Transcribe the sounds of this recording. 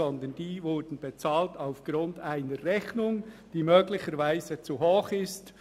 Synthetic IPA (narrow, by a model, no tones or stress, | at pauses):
ɔnd̪ənd̥iːvʊɹdn̩bet͡saːltaʊfɡ̥ɾʊndaɪnərʁɛçnʊŋd̥iːmøːɡlɪçəɾvaɪzət͡suɦoːχɪst